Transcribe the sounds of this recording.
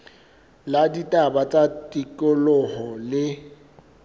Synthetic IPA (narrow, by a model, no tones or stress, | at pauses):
laditʼabat͡sʼatʼikʼʊlʊhɔlɪ